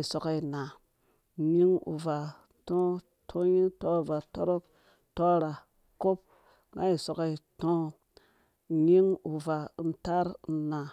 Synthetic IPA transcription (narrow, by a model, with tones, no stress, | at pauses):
i˨so˨ka˦i˨na˨ | ɲi˦ŋṵ˨va˨ | tõ˦ | tʰo˦ɲi˦ŋto˦˨va˨to˦ɾo˦p | to˦ɾa˨ | ko˦p̚ | ŋɡa˦i˨so˨ka˦i˨tõ˦ | ɲi˦ŋu˨va˨˦n̩˦ta˦ɾna˨